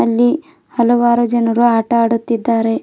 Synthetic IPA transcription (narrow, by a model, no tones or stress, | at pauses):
ɐlːi | hɐlɐʋaːɾud͡ʒɐnɐɾuaːʈɐaːɽut̪ːid̪ːaːɾe̞